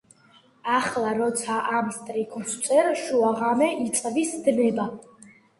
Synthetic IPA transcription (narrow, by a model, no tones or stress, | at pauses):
aχlˠaɾɔt̪sʰaʔamst̪ʼɾikʰst̪sʼʰɛɾʃuaʁamɛʔit̪sʼvisd̪nɛba